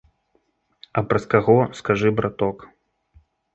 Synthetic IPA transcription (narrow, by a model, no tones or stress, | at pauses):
ɐpɾɐskaɣɔskaʐɨbɾat̪ɔk